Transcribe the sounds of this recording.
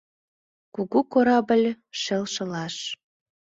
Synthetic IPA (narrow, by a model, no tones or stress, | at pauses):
kuɣukoɾɑbəlʲ | ʃelʃə̆lɑʃ